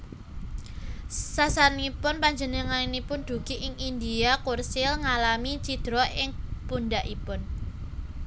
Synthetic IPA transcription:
sasanipʊnpaɲd͡ʒənəŋanipʊnd̪̥ṳɡ̥iʔɪŋind̪iakursɪlŋalamit͡ʃid̪̥ɾɔɪŋpunɖaʔipʊn

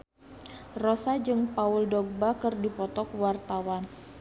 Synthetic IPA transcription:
rɔsad͡ʒɨŋpauldɔɡ̚bakɨrdipɔt̪ɔkwart̪awan

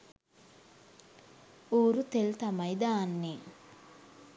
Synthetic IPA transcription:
oːɾut̪elt̪amɐjd̪aːnːe

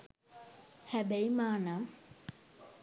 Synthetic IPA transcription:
hæbeimaːnam

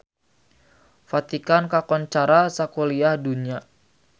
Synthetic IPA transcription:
fat̪ikankakɔnt͡ʃaɾasakoliahduɲa

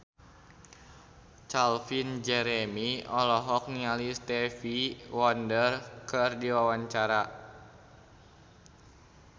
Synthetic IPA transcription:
t͡ʃalfind͡ʒɛɾɛmiɔlɔɦɔk̚nialist̪ɛfiwɔndərkɨrdiwawaɲt͡ʃaɾa

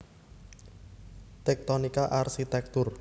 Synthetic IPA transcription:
t̪ɛk̚t̪ɔnikaʔarsit̪ɛk̚t̪ʊr

